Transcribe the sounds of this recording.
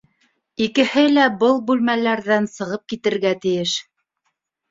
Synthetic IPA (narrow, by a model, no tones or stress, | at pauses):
ikɘ̆hɘlæbɤlˠbʉlmælæɾðænsɤ̆ʁɤp̚kit̪ɘ̆ɾɡæt̪ɘ̆jɘʃ